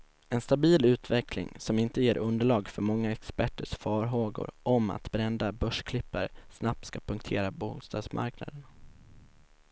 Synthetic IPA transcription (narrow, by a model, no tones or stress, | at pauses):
ɛnst̪abiːlʉ̟ːt̪vɛklɪ̰ŋsɔmɪnt̪əjeːɾʔɵnd̪əɭɑːɡfœɾmɔŋːaɛkspæʈːəʂfɑːɾɦoːɡʊ̰ɾʔɔma̰t̪bɾɛnd̪abœʂkʰlɪpːə̰ɾsnap̚t̪skapʰɵŋk̚t̪ʰeːɾabuːst̪ɑ̰ːd̪smʔa̰ɾkna̰d̪ən